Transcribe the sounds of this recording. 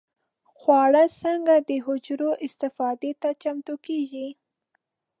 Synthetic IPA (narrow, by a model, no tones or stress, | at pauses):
xwɑɽəsəŋɡad̪əɦʊd͡ʒɾoʔɪst̪ɪfɑd̪et̪at͡ʃamt̪okeʒi